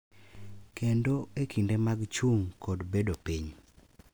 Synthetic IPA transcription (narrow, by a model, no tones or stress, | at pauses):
kendoekʰindemaɡt͡ʃuŋkɔdbedopiɲ